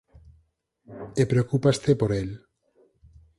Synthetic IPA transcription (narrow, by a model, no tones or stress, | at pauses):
epɾeokupast̪epoɾel